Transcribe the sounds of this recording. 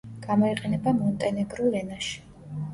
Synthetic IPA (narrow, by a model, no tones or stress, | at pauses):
ɡ̥amɔiqʼɛnɛbamɔnt̪ʼɛnɛɡɾulɛnaʃi̥